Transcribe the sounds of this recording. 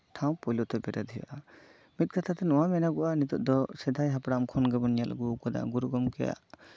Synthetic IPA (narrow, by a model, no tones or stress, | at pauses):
ʈʰaw̃pɔjlɔt̪ɔbɛɾad̪ʱija̰ʔa | mit̪̚kat̪ʰat̪ɛnɔwamɛnakɔʔanit̪ɔt̪̚d̪ɔsɛd̪ʱajɦapɽamkʰɔnɡɛbɔnijalʔɡɔkɔd̪a̰ʔɡuɾuɡɔmkɛja̰ʔ